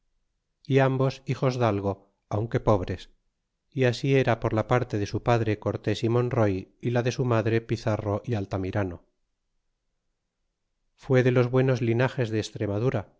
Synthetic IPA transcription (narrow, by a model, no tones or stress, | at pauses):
iambo̞sixo̞zðalɣo̞ | awŋke̞po̞β̞ɾe̞s | iasie̞ɾapo̞ɾlapaɾt̪e̞ðe̞supaðɾe̞ko̞ɾt̪e̞simo̞nro̞jilaðe̞sumaðɾe̞piθaro̞ʔialt̪amiɾano | fwe̞ðe̞lo̞zβwe̞no̞zlinaχe̞zðeːst̪ɾe̞maðuɾa